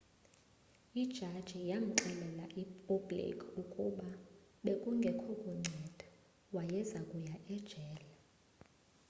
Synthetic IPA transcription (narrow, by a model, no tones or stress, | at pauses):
id̥ʒ̥ʱad̥ʒ̥ʱijam̩ǁɛlɛlaʔipʰɔblḭkʼʰukʼuɓa | ɓekʼuŋɡʱɛkʰɔkʼuŋ͡ǀʱɛd̥ʱḁ | wajɛzakʼujaʔɛd̥ʒ̥ʱɛːla